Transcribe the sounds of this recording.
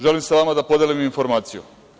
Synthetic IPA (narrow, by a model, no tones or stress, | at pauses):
ʒe̞limsaʋamad̪apo̞d̪eliminfo̞ɾmaːt̪sijṵ